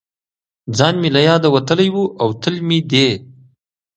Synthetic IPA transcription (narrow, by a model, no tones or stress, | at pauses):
d͡zɑnmilajɑd̪awat̪əlajwuʔawt̪əlmid̪e